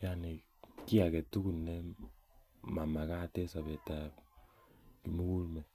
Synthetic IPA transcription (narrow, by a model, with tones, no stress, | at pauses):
ja˦ne˨ | ki˦a˨ke˨tu˦ku˨nɛ˦ | ma˨ma˨ka˦˨te˦sa˨βe˨ta˨ | ki˨mu˦ku˦lmɛ˨